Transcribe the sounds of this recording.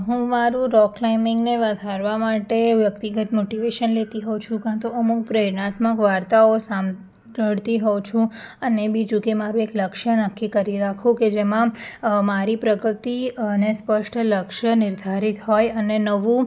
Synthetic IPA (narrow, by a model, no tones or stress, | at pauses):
ɦũmaɾũɾɔklaimɪŋɡneʋəd̪ʱaɾʋamaʈeʋjəkt̪iɡət̪moʈiʋeʃənlet̪iɦɔt͡ʃʰũkãt̪uəmuk̚pɾəɾnat̪məkʋaɾt̪aosam | əɽt̪iɦɔt͡ʃʰũənebid͡ʒukemaɾũekləkʃənakʰːikəɾiɾakʰũked͡ʒemãmaɾipɾəɡɾət̪inespəʃʈləkʃənɪɾd̪ʱaɾit̪ɦɔjənenəʋũ